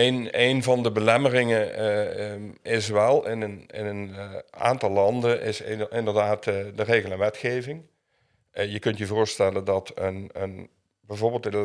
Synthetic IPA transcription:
enejnvɑndəbəlɛmərɪŋə | ɪsʋɛlˠɪnənɪ̰nəna̰ːntɑlˠːɑndənʔɪsɪndəɹdaːtdəreːɣəlˠɛ̃nʋɛtxeːvɪŋ | jəkɵntjəvʊːɹstɛləndɑtʰənən | bɛjvoːɹbɪːlˠtə

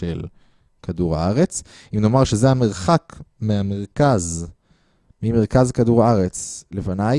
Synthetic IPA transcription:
ḛl | kaduʁa̰aʁet͡s | imno̞maʁʃezehame̞ʁχakmeameʁkaz | mimeʁkazkaduʁaaʁet͡slefanaj

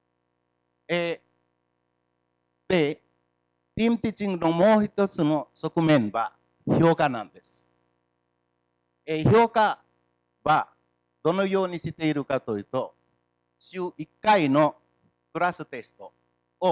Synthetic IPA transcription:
e | d̪e | t̪imt̪it͡ʃiŋɡnomoːçit̪ot͡sɨnosokɯmẽ̞mba | hjokanãnd̪e̞sɨ̥ | ehjoka | ba | d̪o̞nojo̞ːɲiɕit̪e̞iɾɯ̟kat̪ojit̪o | ɕɯʔikːaino | kɯ̟ɾasɨt̪e̞sɨ̥t̪o | o

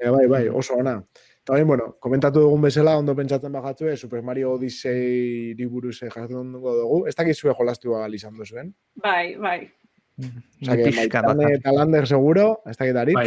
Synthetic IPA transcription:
βajβajo̞̰so̞ːna | t̪aojmbweno̞ko̞me̞nt̪at̪̬uðuɣ̞umbe̞salao̞nd̪o̞pe̞nt͡sat͡se̞mbaɣat͡sue̞supe̞ɾmaɾioːðiseɾiβuɾusʝaɾt̪euŋɡoðuɣ̞ue̞st̪akit̪sue̞xo̞last̪ialisand̪usue̞n | bajβaj | sakeajant̪aland̪eɾse̞ɣ̞uɾo̞e̞st̪akit̪aɾi

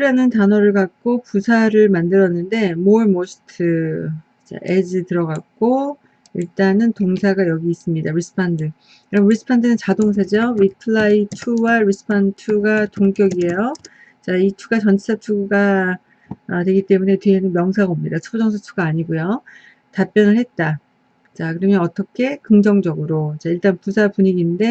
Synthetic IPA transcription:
ɾjanɯntanʌɾɯɭkak̚k͈opusʰaɾɯɭmandɯɾʌnːɯnde̞moɭmoɕʰi̥tʰɯ | t͡ɕa̰ʔe̞d͡ʑɯtɯɾʌɡak̚k͈o | iɭt͈anɯntoŋsʰaɡajʌɡiːs͈ɯmɲidaɾis͈ɯ̥pʰandɯ | kɯɾiɾis͈ʰɯ̥pʰandɯnɯnt͡ɕadoŋs̬ʰad͡ʑiowitʰɯɭːaitʰuwaɾis͈ʰɯ̥pʰantʰuɡatoŋk͈jʌɡiɦe̞jo | t͡ɕaitʰuɡat͡ɕʌnt͡ɕʰi̥sʰat͡ɕʰuɡuɡa | dwe̞ɡit͈e̞mune̞teɦenɯnmjʌŋsʰaɡomɲidat͡ɕʰubud͡ʑʌŋsʰat͡ɕʰuɡaːɲiɡojo | tap͈jʌnɯɭhe̞t̚t͈a | t͡ɕakɯɾʌmjʌnʌt͈ʌkʰe̞kɯŋd͡ʑʌŋd͡ʑʌɡɯɾot͡ɕaiɭt͈anpusʰapuɲiɡinde̞

